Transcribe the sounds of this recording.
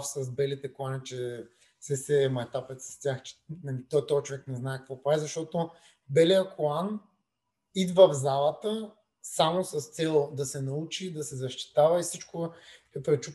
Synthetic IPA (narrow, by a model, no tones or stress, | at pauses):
fsɐs̬bɛlit̪ɛkoanit͡ʃɛ | sɛsɛmɐɛt̪apɛt̪sɐ̥st̪ʲjaxt͡ʃɛ̥nit̪ɔt̪ɔit͡ʃovɛknɛznaɛkɐkvɔpɾad̪izɐʃt̪ɔt̪o | bɛlijəkoan | id̪vəvzalˠət̪ə | samosɐst̪sɛlˠd̪ɐsɛnɐut͡ʃid̪ɐsɛzɐʃt̪i̥t̪avɐifsit͡ʃkoɛpɾɛt͡ʃu